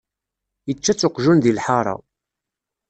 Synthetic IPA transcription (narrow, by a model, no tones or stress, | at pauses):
jət͡ʃːæt͡sːʊqʒunðilħɑɾˤɑ̰